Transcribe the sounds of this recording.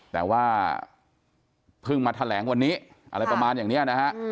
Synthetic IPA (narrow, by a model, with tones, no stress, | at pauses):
t̪ɛː˨˩waː˥˩ | pʰɯ˥˩ŋmaː˧t̪ʰa˧lɛː˩˦ŋwa˧nːiː˦˥ | ʔa̰˧ɾa˧jpɾa˧maː˧njaː˨˩ŋni˦˥ɐna˦˥kʰa˦˥ʔ